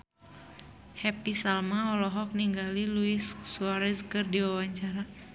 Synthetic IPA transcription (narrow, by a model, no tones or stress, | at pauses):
hɛpisalmaɔlɔɦɔk̚niŋɡaliluisːuaɾɛskɨrdiwawaɲt͡ʃaɾa